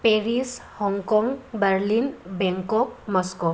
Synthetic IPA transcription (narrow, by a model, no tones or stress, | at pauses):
peɾishɔŋkɔŋɡbəɾlinbɛŋkɔk̚mɔsko